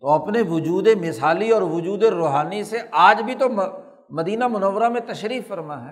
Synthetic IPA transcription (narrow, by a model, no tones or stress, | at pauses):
t̪oɐpneʋʊd͡ʒuːd̪emɪsaːliɔːɾʋʊd͡ʒuːd̪eɾoːɦaːniseʔaːd͡ʒbʱit̪om | mɐd̪iːnamʊnəʋːɾamẽt̪ɐʃɾiːfːəɾmaɦɛː